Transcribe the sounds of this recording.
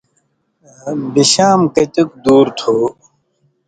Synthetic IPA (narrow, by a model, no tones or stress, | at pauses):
biɕaːmkɐt͡ɕuk̚d̪uːɾt̪ʰuː